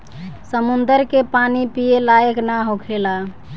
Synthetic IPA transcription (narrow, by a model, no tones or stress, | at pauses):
səmund̪əɾkepanipijelajəknaɦokʰela